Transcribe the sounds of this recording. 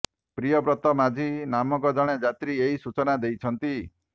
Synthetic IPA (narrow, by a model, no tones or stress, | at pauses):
pɾijɔbɾɔt̪ɔmad͡ʒʱinamɔkɔd͡ʒɔɽ̃ed͡ʒat̪ɾieɦisut͡ʃɔnad̪ejt͡ʃʰɔnt̪i